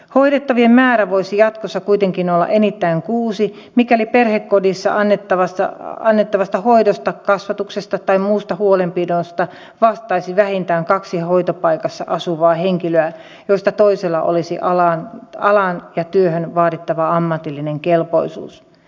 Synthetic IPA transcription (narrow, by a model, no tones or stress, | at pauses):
hoidet̪ːɑʋiemmæːɾæʋoisijɑt̪kosːɑkuit̪eŋkinolːɑ̰ʔenit̪ːæiŋkuːsi | mikæoliperhekːodisːɑ̰ʔɑnːet̪ːɑʋɑsɑ̰ɑnːet̪ːɑʋɑst̪ɑhoidost̪ɑkɑsʋɑt̪uksest̪ɑt̪ɑimmuːst̪ɑhuolempidost̪ɑ | ʋɑst̪ɑisiʋæhint̪æːŋkɑksihoit̪opɑikɑsːɑ̰ʔɑsuʋɑːheŋkiløæ | joist̪ɑt̪oiselːɑ̰ʔo̰lisiʔɑlɑnɑlɑnjɑt̪yøhønʋɑːdit̪ːɑʋɑɑmːɑt̪ilːineŋkelpo̰isṵːs